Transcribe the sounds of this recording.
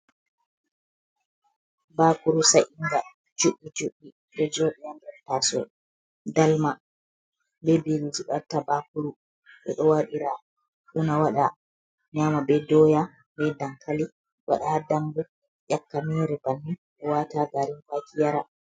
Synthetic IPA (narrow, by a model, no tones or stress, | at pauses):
baːkuɾusaʔiŋɡa | d͡ʒuɓːid͡ʒuɓːi | ɗɛd͡ʒɔːɗɛjandɛtaːsɔ̰ | dalma | bɛbilid͡ʒuɓaɾtabakuɾu | ɓɛ̰ɗɔwaɗiɾa | ɗunawaɗa | ɲamaɓɛdɔːja | mɛdaŋkʰali | wa̰ɗahadambu | jakːamiɾɛbanːiɗɔwataɡaɾinfakʰijaɾa